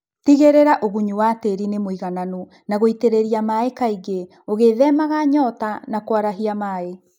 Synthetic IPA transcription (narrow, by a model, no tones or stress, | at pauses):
tiɣeɾeɾaʔoɣuɲuwateɾinemoiɣananu | naɣoiteɾeɾiamaekaiɡe | oɣeːðɛmaɣaɲɔːtanakwaɾaɦiamaːe